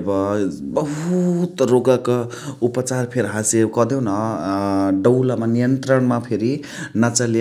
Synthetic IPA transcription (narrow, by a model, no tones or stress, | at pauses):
bʌbʌɦut̪roɡaka | upʌt͡sarpʰeɾɦãsekʌd̪ewnʌ | ɖʌwlamanijʌnt̪ɾʌɳmapʰeɾi | nat͡sal